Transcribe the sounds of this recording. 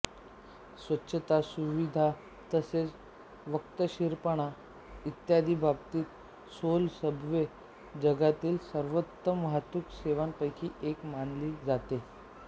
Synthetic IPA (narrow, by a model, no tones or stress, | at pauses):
sʋətːɕʰət̪asuʋid̪ʱa | t̪əset͡s | ʋəkt̪əɕiɾpəɳ̃a | it̪jad̪ʱiːbʱabt̪iːt̪ | solsəbʋe | d͡zəɡat̪iːlsəɾʋət̪ːəməɦat̪ʋukseʋanpəjkʰiːʔekmanliːd͡zat̪e